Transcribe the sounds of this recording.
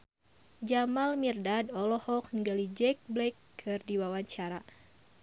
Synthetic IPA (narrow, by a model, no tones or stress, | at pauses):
d͡ʒamalmirdadɔlɔhɔk̚nəɡalid͡ʒɛk̚blɛkʰː | ɨrdiwawaɲt͡ʃaɾa